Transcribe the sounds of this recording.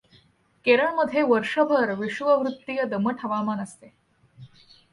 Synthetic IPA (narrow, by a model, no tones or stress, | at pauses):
keɾəɳməd̪ʱjeʋəɾʂəbʱəɾʋiʂʋəʋɾut̪ːijəd̪əməʈʰəʋamanəst̪e